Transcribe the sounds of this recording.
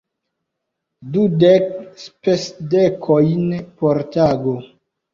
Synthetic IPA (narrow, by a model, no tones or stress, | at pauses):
dudekspesdekʰojnpoɾtaɡo